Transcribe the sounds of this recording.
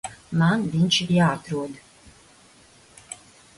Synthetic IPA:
manvint͡ʃʰjaːt̪ɾuɔd̪

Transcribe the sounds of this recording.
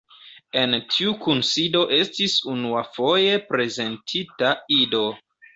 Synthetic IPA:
e̞ntʰiukunsido̞ʔe̞stisunuafo̞je̞pɾe̞ze̞ntʰitaido̞

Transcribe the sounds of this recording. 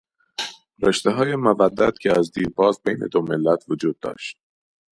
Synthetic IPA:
ɾeʃt̪eɦɒːjemovæd̪ːæt̪cʲʰeæzd̪iːɾbɒːzbejnḛd̪omelːæt̪ʰvod͡ʒuːd̪̚ːɒ̰ːʃt̪̚

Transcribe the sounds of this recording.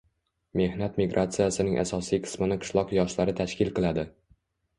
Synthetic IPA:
me̞hnat̪miɡɾʔat̪sɨjasɪnɪŋʔa̰sɒsijqʰɨ̥smɪnɪqʰɨ̥ʃlˠɒqjɒʃlaɾɪt̪ʰaʃkʲɪlˠqɨlad̪ɪ

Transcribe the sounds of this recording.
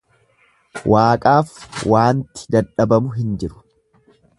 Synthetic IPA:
wʔaːkʼaːfwaːnt̪ɪ̥d̪ɐᶑɐbɐmʊɦɪnd͡ʒɪɾʊ̥

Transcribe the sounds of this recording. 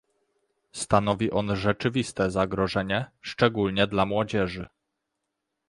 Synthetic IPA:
st̪an̪ɔvʲiʔɔnʐɛt͡ʂɘvʲist̪ɛzaɡɾɔʐɛɲɛʂt͡ʂɛɡulɲɛd̪lamwɔd͡ʑɛʐɘ

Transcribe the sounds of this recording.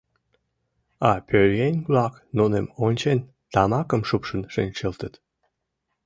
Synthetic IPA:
ɑpʰøɾjenʲblɑknunemonʲt͡ɕen | t̪ɑmɑkəmʃupʃənʃenʲt͡ɕəlt̪ət̪

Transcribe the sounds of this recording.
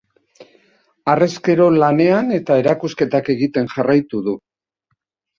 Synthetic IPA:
are̞ske̞ɾo̞lane̞ane̞t̪ae̞ɾakuske̞t̪ake̞ɣit̪e̞nʝarajt̪uðu

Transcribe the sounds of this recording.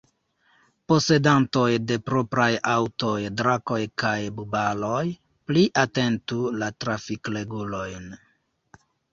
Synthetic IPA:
po̞se̞danto̞jde̞pɾo̞pɾajawto̞jdɾako̞jkajbubalo̞j | pliʔate̞ntulatɾafikle̞ɡulo̞jn

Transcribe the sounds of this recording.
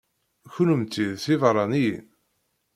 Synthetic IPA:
çʊnəmt͡s̪ːiðθivɾˤɑnii

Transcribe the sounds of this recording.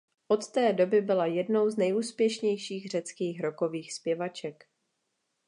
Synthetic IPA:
ʔo̞t̪t̪ɛːdo̞bɪbɪlajɛdno̞wznɛjʔuːspjɛʃɲɛjʃiːɣr̝̥ɛt͡skiːxɾoko̞viːxspjɛvat͡ʃɛk

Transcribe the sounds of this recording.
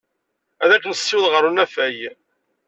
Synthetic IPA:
æðækːnəsːɪwðʁəɾunæfæj

